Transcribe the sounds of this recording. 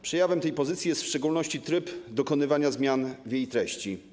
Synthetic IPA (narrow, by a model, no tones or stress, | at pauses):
pʂɛjavɛmt̪ɛjpɔzɘt̪sʲijɛst̪fʂt͡ʂɛɡulnɔɕt͡ɕit̪ɾɘpd̪ɔkɔnɘvaɲazmʲjanvʲjejt̪ɾɛɕt͡ɕi